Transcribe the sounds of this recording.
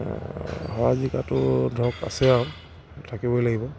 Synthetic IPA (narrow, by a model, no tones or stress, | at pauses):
hɔazikatʊdʱɔka̰sɛa | tʰakibɔjlaɡibɔ